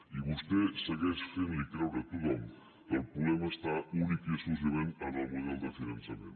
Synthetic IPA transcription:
iβ̞ust̪ɛsəɣɛʃfenlikɾɛwɾət̪ut̪ɔm | kəlˠpɾuβɛməːst̪aunikiəsuz̬əβenənəlˠmuðɛlˠd̪əfinənsəmḛ̃n

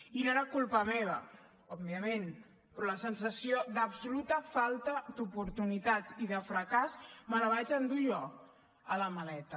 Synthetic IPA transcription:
inoeɾakulˠpɐmeβ̞ə | ɔbβiəmen | pɾɔləsənsəsiod̪əbsulut̪əfalˠt̪əd̪upuɾt̪unit̪aiðəfɾəkazməlaβat͡ʃənd̪uʒɔ | ələmalɛt̪ə

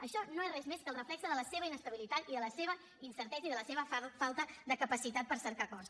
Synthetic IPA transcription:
əʃɔnoerɛzmeskəlˠrəflɛksəðələseβəinəst̪əβ̞ilit̪at̪iðələseβə | insəɾt̪ɛzəiðələseβəfalˠt̪əd̪əkəpəsit̪at̪̚pəɾsəɾkakɔs

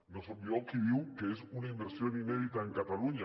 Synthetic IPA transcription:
nosojokiβiwkeesunaimbeɾsjonineð̞it̪aeŋkat̪aluɲa

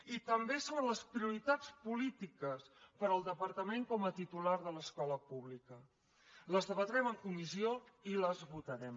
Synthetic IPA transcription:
it̪əmbesoβənləspɾiuɾit̪at͡spulit̪ikəspəɾəlˠd̪əpəɾt̪əmeŋkɔmət̪it̪ulaɾðələskɔləpuβlikə | ləzðəβət̪ɾɛməŋkumizioiləzβut̪əɾɛm

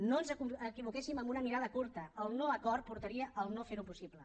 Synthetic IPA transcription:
noənzəəkiβ̞ukesiməmbunəmiɾað̞əkuɾt̪əəlˠnoəkɔɾt̪̚puɾt̪əɾiəʔəlˠnofeɾupusiplə

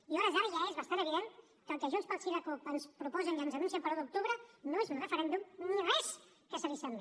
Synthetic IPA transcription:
iɔɾəzaɾəʒaezβəst̪anəβiðen | kəːlˠkəʒunspəlˠsiɾəkupənspɾupɔzənʒanzənunsiəmpəɾlˠuðd̪uk̚t̪uβɾənoezunrəfəɾɛnd̪umnirɛs | kəsəlisɛmbi

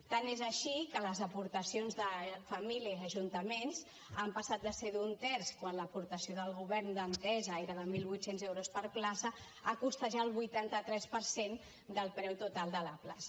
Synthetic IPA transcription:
t̪anezəʃikələzəpuɾt̪əsionzðəfəmiliəəʒunt̪əmens | ampəsat̪̚d̪əseðunt̪ɛɾskwanləpuɾt̪əsioðəlˠɣuβɛɾnd̪ənt̪ɛzəeɾəðəmilˠβujt̪senzɛwɾospəɾplasə | akust̪əʒaəlˠβujt̪ant̪ət̪ɾɛspəɾsen | d̪əlˠpɾɛwt̪ut̪alˠd̪ələplasə̥

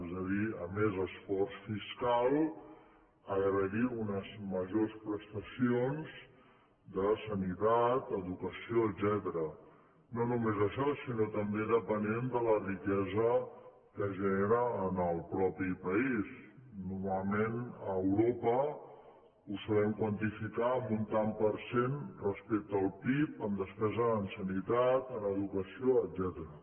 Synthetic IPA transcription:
ɛzəðiəmezəsfɔrsfiskalˠ | əɣɾəɣiunəzməʒospɾəst̪əsionz | d̪əsənit̪at̪əðukəsioəd̪zɛt̪əɾə | nonumezəʃɔsinot̪əmbeðəpənend̪ələrikɛzə | kəʒəneɾəːnəlˠpɾɔpipəisnuɾmalˠmenəəwɾopə | usalɛmkwənt̪ifikaəmunt̪ampəɾsenrəspek̚t̪əːlˠpipəmd̪əspɛzəənsənit̪at̪ənəðukəsioəd̪zɛt̪əɾə

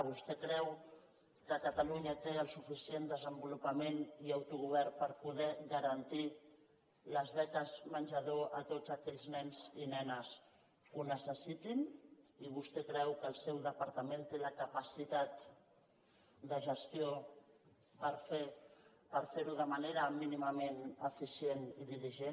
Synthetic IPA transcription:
βust̪ɛkɾɛw | kəkət̪aluɲət̪eəlˠsufisiend̪əzəmbulupəmeniawt̪uɣuβ̞ɛɾpəɾpuðɛɣəɾɐnt̪i | ləzβɛkəzmənʲʒəðoət̪od͡zəkɛʎznɛnzinɛnəs | kunəsəsit̪iniβust̪ɛkɾɛwkəlˠsɛwðəpaɾt̪əment̪eləkapasit̪at̪ | d̪əʒəst̪io | pəɾfe | pəɾfeɾuðəmaneɾəminiməmenəfisieniðiliʒen

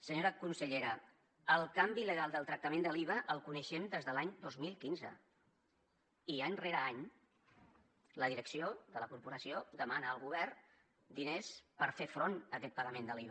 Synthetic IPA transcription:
səɲoɾəkunsəʎeɾə | əlˠkambiləɣalˠd̪əlˠt̪ɾək̚t̪əmend̪əliβ̞əʔəlˠkunəʃɛmd̪ezðəlaɲd̪ozmilˠkinzə̰ | iaɲreɾəaɲ | ləðiɾəksioðələkuɾpuɾəsiod̪əmanəːlˠɣuβɛr | d̪inespəɾfefɾonəkɛt̪pəɣəmend̪əliβə

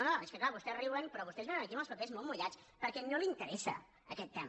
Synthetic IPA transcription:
onoeskəklaβust̪ɛriβənpɾɔβust̪ɛzβenənəkiəməlˠspəpezmolˠmuʎat͡s | pəɾkɛnolint̪əɾɛsə̰ | əkɛt̪ːɛm

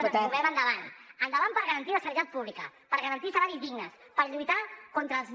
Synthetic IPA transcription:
uβɛmənd̪əβanənd̪əβanpəɾɣəɾənt̪iləsəɾit̪at̪̚puβlikə̰pəɾɣəɾənt̪isəβaɾizðiɡnəs | pəɾʎujt̪akɔnt̪ɾəːlˠz

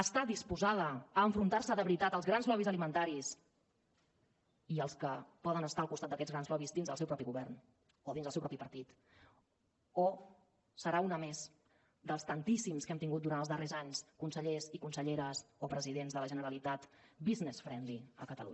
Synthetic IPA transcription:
əst̪adispuzaðəːɱfɾunt̪arsəðəβɾit̪at̪əlˠzɣɾanzlɔβizəlimənt̪aɾis | iəlˠskəpɔðənəst̪aəlˠkust̪at̪d̪əkɛd͡zɣɾanzlɔβizd̪inzðəlˠɛwpɾɔpiɣuβɛrn | oðinzðəlsɛwpɾɔpipəɾt̪it̪ | o | səɾaunəmez | d̪əlˠst̪ənt̪isimskɛmt̪iŋɡut̪d̪uɾant̪lˠzðərezaɲskunsəʎezikunsəʎeɾəsopɾəziðenzðələʒənəɾəlit̪at̪biznesfɾɛnliə̰kət̪ə̰lṵɲ

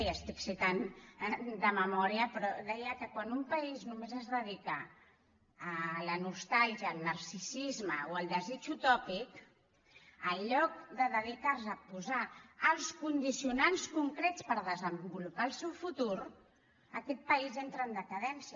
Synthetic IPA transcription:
iəst̪iksit̪an | d̪əməmɔɾiəpɾɔðɛjəkəkwanumpəiznumezəzðəðikaː | lənust̪alˠʒiəːlˠnəɾsisizməoəlˠd̪əzit͡ʃut̪ɔpik | əlʎːɔk̚d̪əðəðikarsəpuzaːlˠskund̪isiunanskuŋkɾɛtt͡sspəɾðəzəmbulupaːlˠsɛwfut̪uɾ | əkɛt̪̚pəizɛnt̪ɾəːnd̪əkəðɛnsi

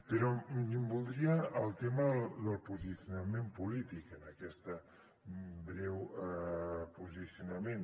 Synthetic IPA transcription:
peɾɔkimbulˠd̪ɾiəːlˠt̪eməðəlˠpuziθjunamẽmpulit̪ikənəkɛst̪ə | bɾɛw | puziθjunɐmẽn

